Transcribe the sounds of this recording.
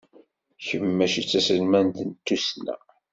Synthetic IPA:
çəmːæʃit͡sːæsəlmænt̪ənt̪ːusnæ̰

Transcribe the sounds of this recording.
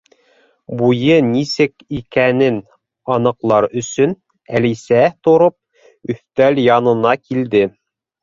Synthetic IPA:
bujɤnisɘkikænɘn | ɑnɤ̆qlˠɑɾɵ̆sɵn | ælisæt̪ŏɾop̚ | ɵ̆θt̪æljɑnɤ̆nɑkild̪ɘ

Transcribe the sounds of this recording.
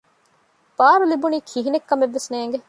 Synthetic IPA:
b̥aːɾulibuniːkʰiɦinekːɐmeʋːesneːŋɡe

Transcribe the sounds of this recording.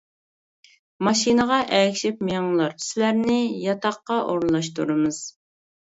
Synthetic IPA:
mɑʃinəʁɑʔɛkʲʃɪp̚mijɑŋlˠɑɾsɪlæɾnɪjɑt̪ʰɑqːɑʔoɾlˠɑʃt̪uɾɨmɨz̥

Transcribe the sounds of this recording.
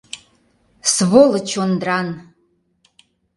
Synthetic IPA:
svolət͡ɕʰond̪ran

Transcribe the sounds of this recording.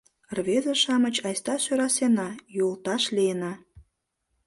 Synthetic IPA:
rβezeʃɑmət͡ɕɑjst̪ɑʃøɾɑsenɑjult̪ɑʃliənɑ

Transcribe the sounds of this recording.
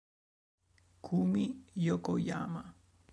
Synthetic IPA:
kʰumijokoja̰ma

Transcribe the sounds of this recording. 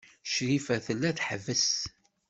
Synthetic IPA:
ʃɾifæθəlːæθħəvːəs

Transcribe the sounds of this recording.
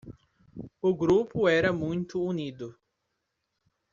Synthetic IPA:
ʊɡɾupʊɛɾɐmũj̃t̪ʊːnid̪ʊ

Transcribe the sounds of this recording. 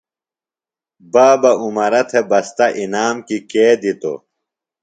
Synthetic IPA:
baːbɐumɐɾɐt̪ʰebɐst̪ɐʔinaːmkikeːd̪it̪o̰

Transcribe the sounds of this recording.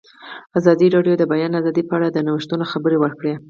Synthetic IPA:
azɑd̪iɾɑɖjod̪əbajɑnazɑd̪ipəaɽad̪ənawəʃt̪unoxabəɾewəɾkɽe

